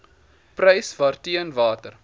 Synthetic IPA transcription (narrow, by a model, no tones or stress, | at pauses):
prɐjsvɑːrtiənvɑːtər